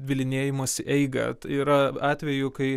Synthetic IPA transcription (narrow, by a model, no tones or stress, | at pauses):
d̪ʲʋʲɪlʲɪnʲeːjɪmoːsʲʔɛɪɡɐ̰tiːɾɐɑːt̪ʲʋʲɛjʊkɐɪ